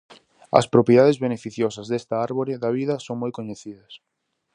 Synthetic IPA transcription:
ɐ̰spɾopjeðaðezβenefiθjɔsɐzðest̪ɐaɾβoɾɪðɐβ̞iðɐsoŋmojkoɲeθiðɐs

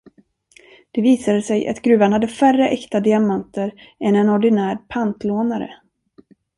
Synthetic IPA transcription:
d̪̥ɛviːsad̪əsɛjʔa̰t̪ɡɾʉ̟ːvanhad̪ːəfærəʔɛkt̪ad̪ɪamant̪əɾ | ɛnɛnɔɖɪnæːɾpʰant̪loːnaɾə̰

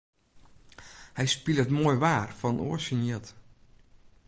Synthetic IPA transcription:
hɛjspilˠətmoːjʋaːrfɔnnṵəsəniət

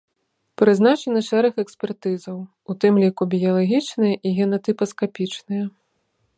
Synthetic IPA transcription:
pɾɨznat͡ʂɐnɐʂɛɾɛxɛksʲpʲɛrt̪ɨzɐw | ut̪ɨmlʲikubʲijɐlˠaɣʲit͡ʂnɨjɐʔiɣʲɛnɐt̪ɨpɐskapʲit͡ʂnɨjɐ

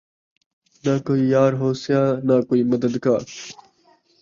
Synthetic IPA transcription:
nakoːiːjaːɾɦoːsjaːnaːkoːiːmɐd̪əd̪kaːɾ

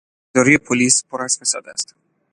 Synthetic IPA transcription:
ɒɾijepʰolispʰoɾasfesɒ̰d̪æ̰st̪

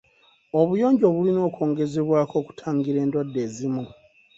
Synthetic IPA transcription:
o̞βujo̞ːɲɟo̞βulino̞ːkʰo̞ːŋɡe̞zeβwaːkʰo̞ːku̥tʰaːŋɡiɾe̞ːndwadːe̞ːzimu

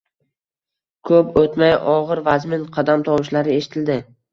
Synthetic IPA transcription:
kʰɵpot̪majɒʁɨɾvazmɪnqʰɑd̪amt̪ʰɒwɪʃlaɾɪeʃɪ̥t̪ʰɪld̪ɪ

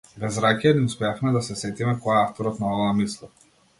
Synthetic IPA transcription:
bɛzɾakɛniuspɛafmɛd̪asɛsɛt̪imɛkɔjaaft̪ɔɾɔt̪naɔvaamislˠɔ

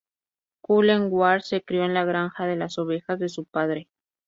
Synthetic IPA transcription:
kuleŋɡwaɾse̞kɾjo̞enlaɣ̞ɾaŋxaðe̞laso̞βe̞xazðe̞supaðɾe

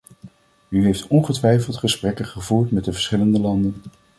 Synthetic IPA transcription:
yɦejftɔnχətʋɛjfəlˠtχəsprɛkəχəvuːɹtmɛt̚dəvəɹsχɪləndəlɑndən

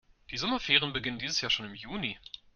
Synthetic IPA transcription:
d̥iːzɔmɐfɛːʁ̞ənbəɡɪnəndiːzəsjaːɐʃoːnɪmjuːni

